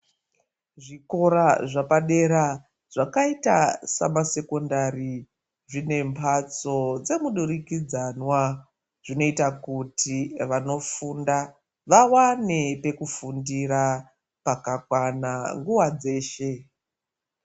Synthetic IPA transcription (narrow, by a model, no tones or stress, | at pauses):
ʐiko̞ɾaʐapaɗe̞ɾa | ʐ̥akaita̰sa̰mase̞ko̞ndari | ʐine̞mpʰat͡so̞d͡ze̞muɗuɾikid͡zanwa | ʐ̥ino̞itakutiʋano̞fuːnda | ʋawane̞pe̞kufundiɾa | pakakwanaŋɡuwad͡ze̞ːʃe̞